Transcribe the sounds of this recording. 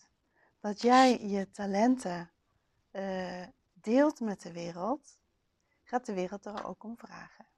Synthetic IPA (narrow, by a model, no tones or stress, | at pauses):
d̥ɑtjɛjjətalɛntə | deːlˠtmɛt̚dəʋɪːrəlˠt | χaːt̚dəʋɪːrəlˠt̚aɹo̰wkɔmvra̰ːχə